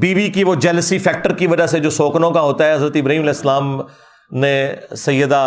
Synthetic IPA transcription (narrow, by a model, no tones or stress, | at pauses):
biːʋikiʋod͡ʒɛːləsifɛːk̚ʈəɾkiʋɐd͡ʒased͡ʒoːsoːknõkaɦoːt̪aɦɛɦɐzɾət̪ɪbɾəɦiːmɐlɛːɪslaːm | nẽsɐjːəd̪a